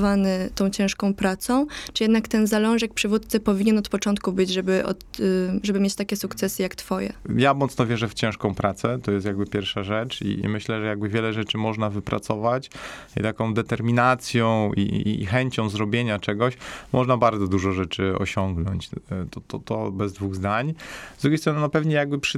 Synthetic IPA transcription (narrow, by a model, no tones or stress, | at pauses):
vanɘt̪ɔ̃w̃t͡ɕɛ̃ʂkɔ̃w̃pɾat̪sɔ̃w̃t͡ʂɨjɛd̪nakt̪ɛnzalɔ̃w̃ʐɛkpʂɘvut̪̚t̪sɘpɔvʲiɲɛnɔt̪pɔt͡ʂɔnt̪̚kubɘd͡ʑʐɛbɘʔɔ̰t̪ʐɛbɘmʲjet͡ɕt̪akʲɛsukt̪sɛsɘjakt̪fɔjɛ̰jamɔt̪nɔvʲjɛʐɛft͡ɕɛ̃ʂkɔ̃w̃pɾat̪sɛt̪ɔjɛst̪jaɡbɘpʲjɛɾfʂaʐɛt͡ʂḭḭmɘɕlɛʐɛjaɡ̚bɘvʲjɛlɛʐɛt͡ʂɘmɔʐnavɘpɾʔa̰t̪sɔvat͡ɕḭt̪akɔ̃w̃d̪ɛt̪ɛɾmʲinat̪sʲjɔ̃w̃ḭxɛɲt͡ɕɔ̃w̃zɾɔbʲjeɲat͡ʂɛɡɔɕmɔʐnabaɾd̪zɔd̪uʐɔʐɛt͡ʂɘɔ̰ɕɔŋɡnɔɲt͡ɕt̪ɔt̪ɔt̪ɔbɛzd̪vuɣzd̪aɲzd̪ɾuɡʲjejst̪ɾɔnɘnɔpɛvɲɛjaɡ̚bɘpʂ